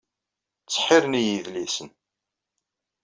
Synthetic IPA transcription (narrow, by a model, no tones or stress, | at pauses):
t͡sːħɪɾnijiðlisən